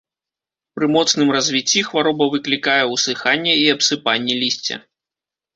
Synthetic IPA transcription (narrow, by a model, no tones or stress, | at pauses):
pɾɨmɔt̪snɨmrɐzʲvʲit͡sʲːixvaɾɔbɐvɨklʲikajɛwsɨxanʲːɛiɐpsɨpanʲːɛlʲisʲt͡sʲɛ̰